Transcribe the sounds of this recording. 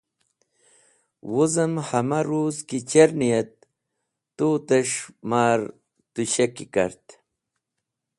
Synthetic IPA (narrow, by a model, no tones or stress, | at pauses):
wuzɐmhɐmaɾuːzkit͡ɕeɾnijet̪̚ː | ut̪eʂmaːɾ | t̪uɕekikɐ̰ɾt̪